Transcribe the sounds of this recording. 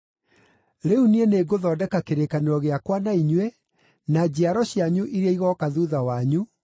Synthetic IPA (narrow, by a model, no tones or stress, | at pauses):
ɾeunieneɡoðɔːdɛkakeɾekaneɾɔɣeakwanaiɲwɛ | nad͡ʑeaɾɔɕijaɲuʔiɾeaiɣɔkaðuðawaɲu